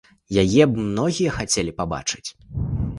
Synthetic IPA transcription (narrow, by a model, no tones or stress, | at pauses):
jajɛbmnɔɣʲijɐxat͡sʲɛlʲipaba̰t͡ʂɨ̥t͡sʲ